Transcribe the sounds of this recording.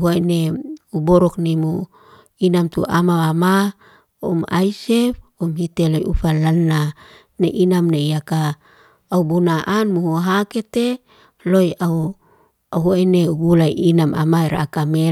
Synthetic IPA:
ɦoeneuboɾɔknimu | inamt̪ṵʔa̰maama | uma̰isefumhit̪elojufalanːa | neʔinamnejakaː | ubunaʔanmuhuɦaket̪e | lojau | aɦoeneuɡulaiinama̰maeɾa̰ːkame

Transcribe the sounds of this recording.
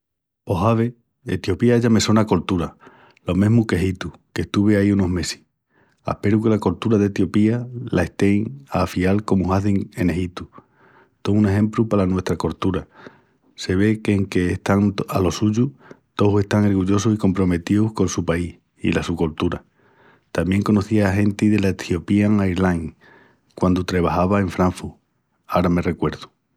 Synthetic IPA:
o̞ɦaβ̞e̞ | ḛt̪jo̞piaeʝame̞so̞nako̞lt̪uɾa | lo̞mẽɦmuke̞ɦit̪uke̞ht̪uβeaiuno̞ɦme̞si̥h | a̰hpe̞ɾuke̞lako̞lt̪uɾaðe̞t̪jo̞pialʔae̞ht̪e̞ŋafialko̞muɦaθiŋe̞ne̞hit̪u | t̪o̞une̞ɦẽ̞mplupaɾanwe̞st̪ɾako̞ɾt̪uɾa | se̞βe̞keːŋke̞ːht̪aŋalo̞suʝut̪o̞se̞ht̪aŋo̞ɾɣuʎo̞susiko̞mpɾo̞me̞t̪iuhko̞nsupaih | ḭlasuko̞lt̪uɾa | t̪amje̞ŋko̞no̞θiaːɦe̞nt̪iðe̞laet̪io̞piaŋajɾlaŋ | kwand̪ut̪ɾeβ̞ahaβae̞ɱfɾaɱfuɾ | aoɾame̞re̞kwe̞ɾðu̥

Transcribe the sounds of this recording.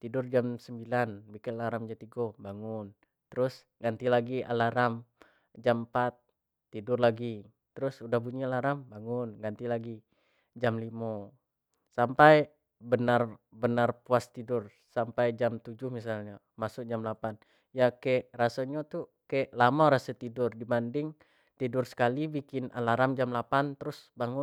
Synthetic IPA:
t̪idʊrd͡ʒamsəmbilanbikɪnalaɾamd͡ʒat̪iɡɔbaŋʊn | t̪əɾʊs | ɡant̪ilaɡiʔa̰laɾam | d͡ʒampat̪ː | idʊrlaɡi | t̪əɾʊsudahbuɲialaɾambaŋʊnɡant̪ilaɡi | d͡ʒamlimɔ | sampaj | bənarbənarpuast̪idʊr | sampajd͡ʒamt̪ud͡ʒʊhmisalɲa | masʊk̚d͡ʒamlapan | jakaɛʔrasaɲot̪u | kaɛʔlamaɾasat̪idʊrdibandɪŋ | t̪idʊrsə̥kalibikɪna̰laɾamd͡ʒamlapant̪əɾʊsbaŋʊ

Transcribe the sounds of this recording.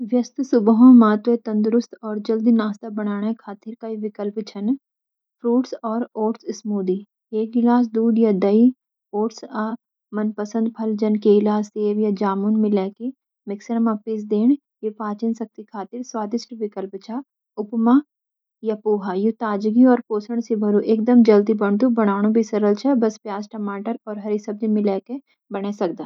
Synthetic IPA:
ʋjɐst̪sʊbɦõmaːt̪ʋet̪ɐ̃nd̪ɾʊst̪ɔːɾd͡ʒɐld̪inaːst̪abɐɽ̃aːɽ̃akʰaːt̪ɪɾkaiʋɪkəlpt͡ʃʰɐn | pʰɾuːʈsɔːɾoːʈsɪsmuːd̪i | eːkɪlaːs̬d̪uːɖjad̪ɐi | oːʈsa | mɐnpəsə̃nd̪̚pʰɐld͡ʒɐnkeɪlaːseːʋjad͡ʒaːmuːnmɪ̃lɛːke | mɪksəɾəmapɪsd̪eːɳ | jupaːt͡ʃɪnsɐk̚t̪ikʰaːt̪ɪɾswaːd̪ɪsʈʋɪkəlpt͡ʃʰa | ʊpma | japoːɦajut̪aːd͡ʒɡiɔːɾpoːsəɳ̃sibʱɐɾuʔeːk̚d̪əmd͡ʒɐld̪ibɐɳ̃t̪ubɐɽ̃aːɽ̃ũbʱisɐɾəlt͡ʃʰɛbɐspjaːsʈɐmaːʈəɾɔːɾɦɐɾisɐb̚d͡ʒimɪ̃lɛːke | bɐɽ̃esɐk̚d̪aː

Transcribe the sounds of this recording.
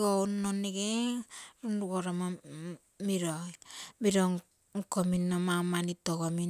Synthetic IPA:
ɡounːoneɡeɾunɾuɡoɾama | miɾojmiɾoŋ | ŋkominːomamanitokomi

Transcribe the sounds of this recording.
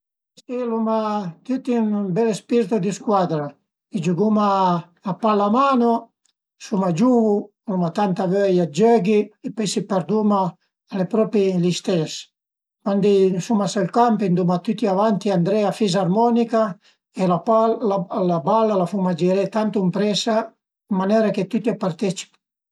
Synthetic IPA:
silumat̪yt̪imbɛlespiɾt̪ud̪iskwad̪ɾa | id͡ʒuɡumaː | palːamaːno | sumad͡ʒuvu | lumat̪ant̪avøjad͡ʒøɡiepɔjsipɛɾd̪umaː | lepɾɔpilist̪ɛs | kwand̪isumasalkampind̪umat̪ut̪ːiavant̪iand̪ɾɛafizarmɔnika | elaaalabalːalafumad͡ʒɛɾɛt̪ant̪uimpɾɛsa | mːanɛɾaket̪ut̪ːiapaɾt̪ɛt͡ʃi̥p

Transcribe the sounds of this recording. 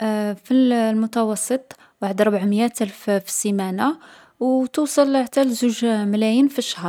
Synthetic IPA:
fillmʊt̪ɑwɑsˤːət̪ˤ | waħəd̪ɾˤbʕməjːæt̪ʔælffsimæna | wt̪usˤɑlʕt̪ælzuʒmælæjinfiʃːahɾˤ

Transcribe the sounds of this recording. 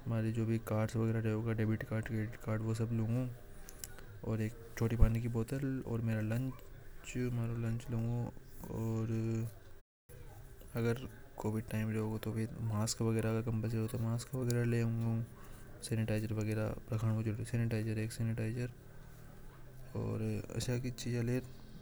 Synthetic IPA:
maːɾid͡ʒoːbʱikaːɾɖsʋɐɡɛːɾaɾeoːɡaɖeːbɪʈkaːɾɖkekaːɾɖʋos̬ɐblõːŋɡũː | ɔːɾeːk̚ | t͡ʃʰoːʈipaːnikiboːt̪əlɔ̰ːɾmeːɾalɐ̃ɲt͡ʃt͡ʃmaːɾolɐ̃ɲt͡ʃloːŋɡoɔːɾ | ɐɡəɾ | koːʋɪɖʈaːɪmɾeɦoːɡot̪obʱimaːskʋɐɡɛːɾakakɐ̃mpə̃s̬eot̪omaːskʋɐɡɛːɾaleːʊ̃ŋɡũ | seːnɪʈaːɪd͡ʒəɾʋɐɡɛːɾa̰pɾɐkʰəɽ̃od͡ʒʊsɛːnɪʈaːɪzəɾeːkseːnɪʈaːɪzəɾ | ɔ̰ːɾɐ̰ʃʰakit͡ʃiːd͡ʒãleːɾ

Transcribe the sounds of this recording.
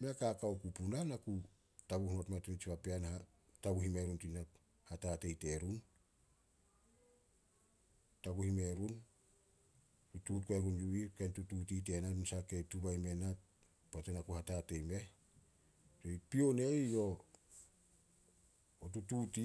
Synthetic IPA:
meakakawkupunanaku | taɡuhuno̞tmeatint͡ʃipapeanha | taɡuhime̞ɾuntina | hatate̞jte̞ɾun | taɡuhime̞ɾun | tututkoeɡunjuikentutut̬it̬e̞naɾunsaketubajme̞na | patenakuhatate̞jme̞ | d͡ʒoipione̞jjo̞ | otututi

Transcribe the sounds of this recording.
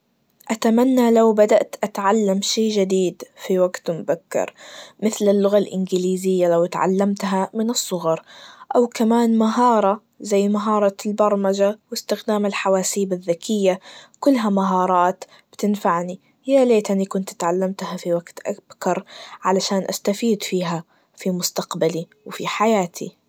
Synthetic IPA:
ʔat̪amanːalawbad̪aʔt̪ʔat̪ʕalːamʃeːd͡ʒɪd̪iːd̪fiwaɡt̪mʊbakːɑ̰ɾˤmɪθlɪlːʊɣalʔɪnɡɪliːzɪjːalawt̪ʕa̰lːamt̪ɦamɪnɨsˤːʊɣɑɾˤʔawkamaːnmaɦɑːɾˤɑ | zajːmaɦɑːɾˤɑlbɑɾˤmad͡ʒawɪst̪ɪxd̪aːmɪlħawaːsiːbaðːakʰɪjːakʊlːɦamaɦɑːɾˤɑːt̪ | b̥t̪ɪnfaʕni | jaleːt̪ʔanikʊnt̪t̪ʕalːamt̪hafiwaɡt̪ʔab̥kɑɾˤʕalaʃaːnʔast̪afiːd̪fiːɦa | fimʊst̪aqbali | wfiħajaːt̪ʰḭ

